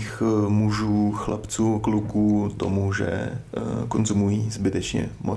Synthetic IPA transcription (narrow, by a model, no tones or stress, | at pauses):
xmuʒuːxlʔa̰pt͡suːklukuːt̪o̞̰muʒɛ̰ | konzumujiːzbɪt̪ɛt͡ʃɲɛ̰mʔo